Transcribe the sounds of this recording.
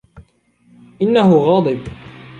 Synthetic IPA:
ʔɪnːaɦʊɣɑːd̪ˤɨb

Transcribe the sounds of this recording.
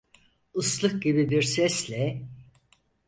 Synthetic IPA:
ɯslˠɯk̚ɟibibiɾsɛslʲɛ

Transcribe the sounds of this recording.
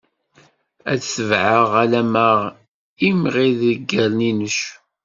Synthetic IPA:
ædsəvʕəʁælæməʁ | imʁiðəɡːælninəʃ

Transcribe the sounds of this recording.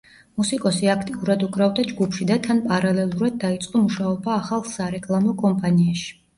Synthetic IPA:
musikʼɔsiakʰt̪ʼiuɾad̪ukʼɾavd̪ad͡ʒɡupʰʃid̪at̪ʰanpʼaɾalɛlˠuɾad̪̚ːait̪sʼqʼɔmuʃaɔbaːχalˠsaɾɛkʼlˠamɔkʼɔmpʼaniaʃi̥

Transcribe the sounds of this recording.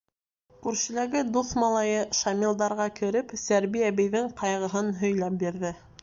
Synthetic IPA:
kʉɾʃɘ̆læɡɘd̪uθmɑlˠɑjɤʃɑmʲilˠd̪ɑɾʁɑkɘ̆ɾɘpsæɾβiæbɘ̆jðɘŋqɑjʁɤ̆ɦɤnɦɵ̆jlæp̚biɾðɘ

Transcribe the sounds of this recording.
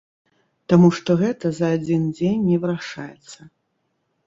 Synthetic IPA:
t̪amuʂt̪ɔɣɛt̪ɐzɐːd͡zʲind͡zʲenʲːɛvɨɾaʂajɛ̰t̪sːɐ

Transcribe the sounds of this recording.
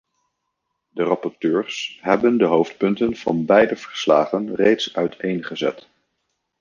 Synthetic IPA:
dərɑpɔɹtøːɹsɦɛbəndəɦowftpɵntənv̥ɑ̰nbɛjdəv̥əɹslaːχənrejtsœɥtʰejnχəzɛ̰t

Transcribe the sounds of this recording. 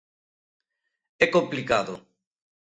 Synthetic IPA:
ɛkõmplikaðo̰

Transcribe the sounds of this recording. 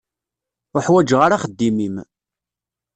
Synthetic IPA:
ʊħwæd͡ʒʁaɾaχəd̪ːimim

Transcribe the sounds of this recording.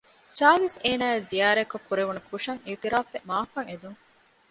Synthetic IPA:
t͡ʃaːliseːnaːezijaːɾekːokʰːuɾeʋunukʰuʂɐŋilt̪iɾaːfemaːfɐŋed̪uŋ

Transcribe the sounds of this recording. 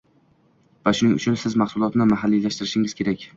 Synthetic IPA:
vaʃʊnɪŋʊ̰t͡ʃʰʊnsɪzmahsʊlˠɒt̪nɪmaɦalːilaʃt̪ɪɾɪʃɪŋʲɪz̥kʲʰe̞ɾakʲ

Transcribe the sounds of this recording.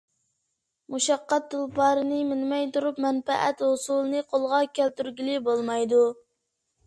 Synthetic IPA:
muʃɑqːɑt̪̚d̪ɨlˠpɑːɾɨnɨmɪnmɛjt̪uɾupmɛnpɛʔɛt̪hʊsulˠɨnɨqʰolˠʁɑkʲʰælt̪yɾɡʲilɪbolˠmɑjd̪u

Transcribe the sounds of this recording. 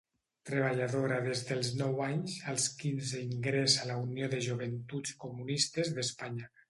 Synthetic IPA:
t̪ɾeβ̞aʎaðoɾaðezðelˠznɔwaɲzalˠskinzeiŋɡɾezalaunijoðeʒuβent̪ut͡skumunist̪ezðespaɲa

